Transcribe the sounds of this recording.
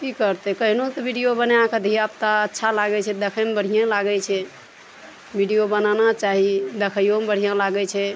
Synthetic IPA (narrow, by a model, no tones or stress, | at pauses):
kikəɾt̪ɛkəɦinot̪ɔbʱiɖijobəneãked̪ʱijap̚t̪aətːʃʰalaɡɛt͡ʃʰɛd̪ekʰəmbəɽ̤ʱijãlaɡɛt͡ʃʰɛ | bʱiɖijobənanat͡ʃaɦid̪əkʰəjombəɽ̤ʱijãlaɡɛt͡ʃʰɛ